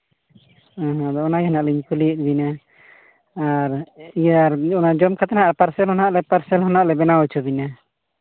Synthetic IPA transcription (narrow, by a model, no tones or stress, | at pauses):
aɦɔ̃d̪ɔɔnajɛnaʔlɛɲkulit̪̚ˀbina | aɾijaɾɔnad͡ʒɔmkʰat̪anaʔapaɾsɛlhɔnaʔlɛpaɾsɛlɦɔnaʔlɛbɛnawɛt͡ʃʰɔbina